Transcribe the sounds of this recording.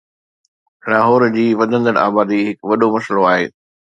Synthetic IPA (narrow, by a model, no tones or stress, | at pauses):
laːɦɔːɾd͡ʑiːʋɐd̪ʱə̃nd̪əɽ̃a̰ːbaːd̪iɦɪkʋɐɗomɐsəloaːɦeː